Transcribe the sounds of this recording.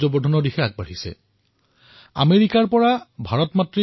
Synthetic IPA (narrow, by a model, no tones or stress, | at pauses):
zɔbɔdʱɔnɔdixɛaɡ̚baɹisɛ̰ | a̰meɹikaɹpɔɹabʱaɹɔtmatɹi